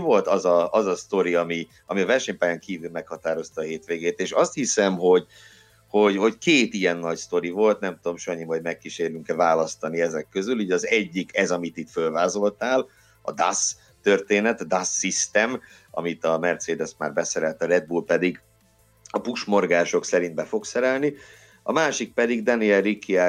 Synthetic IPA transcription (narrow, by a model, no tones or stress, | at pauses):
vo̞lt̪ɒzɒɒzɒst̪o̞ɾiɒmi | ɒmiɒvɛrʃɛɲpaːjaŋkiːvylmɛkhɒt̪aːɾo̞st̪ɒːɦeːt̪ʋeːɡeːt̪eːʃɒst̪hisɛmɦo̞ɟ | ho̞ɟho̞ckeːt̪iɛnːɒɟst̪o̞ɾivo̞lt̪nɛmt̪ud̪omʃoɲːimoɟmɛkːiʃeːɾlyŋkɛvaːlɒst̪ɒniɛzɛkːø̞zyluːɟɒzɛɟːikɛzɒmit̪it̪følvaːzo̞lt̪aːl | ɒd̪as | t̪ø̞rt̪eːnɛt̪d̪asːist̪ɛm | ɒ̰mit̪ɒmɛrt̪seːd̪ɛsma̰ːrbɛsɛɾɛlt̪ɒɾɛd̪̚bulpɛd̪iɡ | ɒpuʃmo̞rɡaːʃo̞ksɛɾind̪bɛfo̞ksɛɾɛlni | ɒmaːʃik̚pɛd̪iɡd̪ɒniɛlrikʰːia